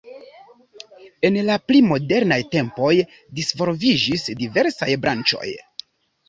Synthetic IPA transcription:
e̞nlaplimo̞de̞ɾnajte̞mpo̞j | disvo̞ɾvid͡ʒisdive̞ɾsajbɾant͡ʃo̞̰j

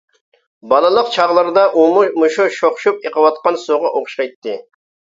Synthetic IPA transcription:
bɑlˠɨlˠəqt͡ʃʰɑʁlˠəɾɨd̪ɑʔummuʃuʃoχʃup̚eqʰəwɑt̪̚qɑnsoʁɑʔoχʃqɑjt̪ʰːɨ

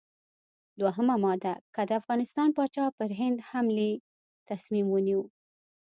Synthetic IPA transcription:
d̪waɦəmamɑd̪akəd̪əafɣɑnɪst̪ɑnpɑt͡ʃɑpəɾɦɪnd̪hamli | t̪asmimwəniw

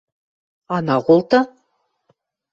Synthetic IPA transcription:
ɑnɑʁulˠt̪ɤ

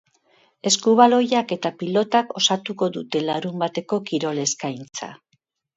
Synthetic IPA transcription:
e̞skuβ̞alo̞jake̞t̪apilo̞t̪ako̞sat̪uko̞ðut̪e̞laɾumbat̪e̞ko̞kiɾo̞le̞skajnt͡sa̰

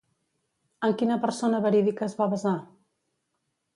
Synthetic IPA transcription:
əmkinəpəɾsonəβəɾiðikəːzβaβəza

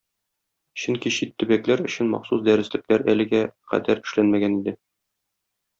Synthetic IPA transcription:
ɕɵŋkiɕit̪ːɵ̆bæklæɾɵ̆ɕɘnmɒ̰qsusd̪æɾɘ̆slɘ̆klæɾælɘ̆ɡæqæ̰d̪æɾɘ̆ʃlænmæɡænid̪ɘ

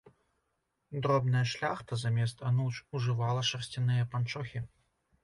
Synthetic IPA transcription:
d̪ɾɔbnɐjɐʂlʲaxt̪ɐzamʲɛst̪ɐnut͡ʂuʐɨvalˠɐʂɐrsʲt͡sʲinɨjɐpant͡ʂɔxʲi

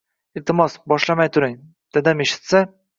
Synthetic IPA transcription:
ɪlt̪ɪmɒsbɒʃlamajt̪ʰʊɾɪŋ | d̪̥ed̪ameʃɪ̥t̪sa

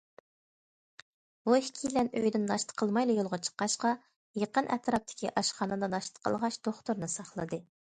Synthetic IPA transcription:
bohkʲʰilɛnøjd̪ɪnːɑʃt̪ʰə̥qʰəlˠmɑjlˠɨjolˠʁɑt͡ʃʰə̥qːɑʃqɑ | jeqənʔɛ̰t̪ɾɑp̚t̪ʰɪ̥kʲʰiʔɑʃχɑːnɨd̪ɑnɑʃt̪ə̥qʰə̰lˠʁɑʃd̪̥oχt̪uɾnɨsɑχlˠɨ̰d̪ɨ

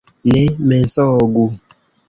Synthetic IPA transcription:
lemɛnsɔɔɡu

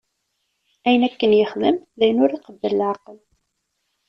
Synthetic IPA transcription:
æjənækːənjəχðəmðæjənʊɾiqəbːələlʕɑqəl

